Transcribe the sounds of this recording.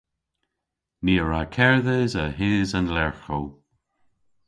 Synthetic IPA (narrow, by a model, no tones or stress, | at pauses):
niːəɹakʰɛɹðəzəɦɪːzənlɛɹxow